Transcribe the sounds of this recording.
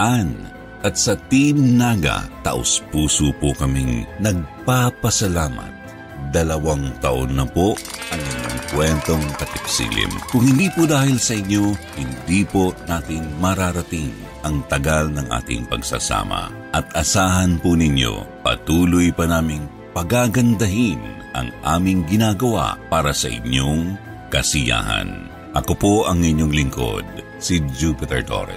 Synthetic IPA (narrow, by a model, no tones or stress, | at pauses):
ʔan | ʔɐt̪̚sɐt̪imnaɡɐ̰t̪ɐ̰ʔo̰spuːsopokɐmiŋnɐɡ̚papɐsɐlaːmɐ̰t̪̚ | d̪ɐlɐwaŋt̪ɐʔo̰nːɐpoʔɐŋɪɲːo̰ŋpwɛnt̪o̞ŋpɐp̪ɛk̚sḭːlḭmkʊŋhɪnd̪iːpod̪aːhilsɐʔɪɲjo̞hɪnd̪iponaːt̪ɪŋmɐɾaɾɐt̪iŋ | ʔɐŋt̪ɐɡalnɐŋʔa̰ːt̪ɪ̰ŋpɐ̰ɡsa̰sa̰ːmɐ̰ | ʔɐt̪ɐsaːɦɐnpʊnɪɲjo̰pɐ̰t̪uːlʊjpɐnaːmɪŋ | pɐɡaɡɐnd̪ɐɦin | ʔɐ̰ŋʔaːmɪŋɡɪnaːɡɐwa̰paːɾɐsɐʔɪ̰ɲjoŋ | kɐsɪja̰ːɦɐ̰n | ʔɐkopoʔɐŋɪɲjoŋlɪŋko̰d̪̚ | sid͡ʒupɪt̪ɛɹt̪o̰ɾɛ̰